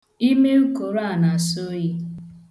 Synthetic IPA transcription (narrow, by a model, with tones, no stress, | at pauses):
i˦me˦u˦ko˨ɾa˦˨na˨so˦ji˦